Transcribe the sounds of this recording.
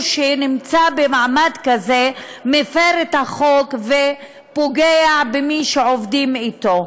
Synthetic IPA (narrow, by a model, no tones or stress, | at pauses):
ʃenimt͡sabemaʕmad̪kazemefeʁet̪haχo̞kve | poɡeabemiʃeovd̪imit̪o